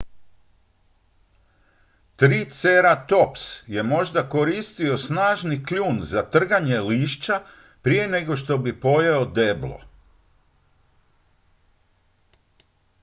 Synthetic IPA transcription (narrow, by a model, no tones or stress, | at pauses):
t̪ɾiːt̪seɾat̪o̞psje̞mo̞ʒd̪ako̞ɾist̪io̞snaːʒnikluːnzat̪r̩ɡaɲe̞liːʃt͡ɕa | pɾije̞ne̞ɡo̞ʃt̪o̞bipo̞jeod̪e̞blo̰